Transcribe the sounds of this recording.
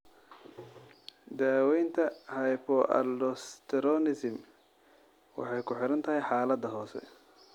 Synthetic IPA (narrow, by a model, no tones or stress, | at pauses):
d̪aːwɛjnt̪ʰɐhɐjpʰɔʔɐ̰lɔst̪ʰɛɾɔnɪsɪm | wɑ̰ħɑjkʰʊħɪɾɐnt̪ʰɐɦɛjħaːlɐd̪ɐɦɔːsɛ̰